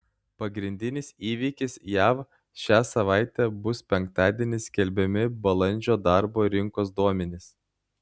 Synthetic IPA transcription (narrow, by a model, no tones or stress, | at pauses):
pɐɡɾʲɪnʲd̪ʲɪnʲɪsiːʋʲiːkʲɪsjæːʋ | ʃʲæːsɐʋɑˑɪt̪ʲɛbʊspʲɛŋˑk̚t̪ɑːd̪ʲiɛnʲɪsʲkʲɛlʲbʲɛmʲɪbɐlˠɐnʲd͡ʒʲoːd̪ɑɾboːɾʲɪŋkoːs̬d̪uɔmʲɛnʲɪs